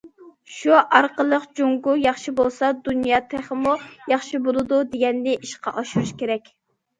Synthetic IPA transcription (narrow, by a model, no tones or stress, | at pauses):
ʃuʔɑɾqəlˠəqd͡ʒoŋɡujɑχʃibolˠsɑd̪unjɑːt̪ʰeχəmujɑχʃibolˠɨd̪ud̪eɡʲɛnːɪʔiʃqɑ̰ʔɑʃuɾuʃkʲeɾɛkʲ